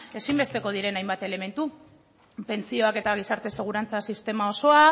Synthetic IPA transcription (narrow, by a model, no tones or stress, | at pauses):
e̞simbe̞st̪e̞ko̞ð̞iɾe̞najmbat̪e̞le̞me̞nt̪u | pe̞nt͡sio̞ake̞t̪aɣ̞isaɾt̪e̞se̞ɣ̞uɾant͡sasist̪e̞mao̞so̞a